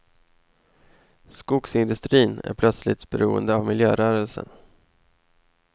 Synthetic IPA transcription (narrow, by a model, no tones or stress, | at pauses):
skʊksɪnd̪ɵst̪ɾiːnæ̰ɾpʰlœt̪slɪt̪bɛɾuːə̰nd̪əavmɪljøːɾœːɾəlsə̰n